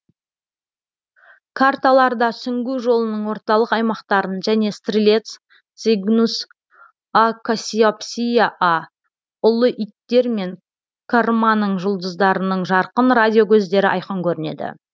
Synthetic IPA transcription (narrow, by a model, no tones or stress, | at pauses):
kʰart̪alˠɑɾd̪ɑsʏŋɡʲuʒo̞lˠənəɴwo̞ɾt̪ɑlˠəqɑjmɑqt̪ɑɾənʒæne̞st̪rʲilʲe̞t̪s | t̪siɡnus | akosʲiopsʲijaʔa | ʊlˠəʔit̪ːe̞ɾme̞ŋ | kʰormanəɴʒʊlˠd̪əzd̪ɑɾənəɴʒɑɾqənradʲijo̞kʲʰɵzd̪e̞ɾɪʔɑ̰jqɑŋkʲʰɵɾɪne̞̰d̪ɪ̰